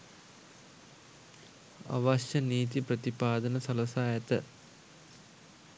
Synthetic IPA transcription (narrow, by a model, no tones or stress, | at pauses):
a̰ʋaʃjəniːt̪̬ipɾɐt̪ipaːd̪ɐnəsɐlɐsaːjɐt̪ə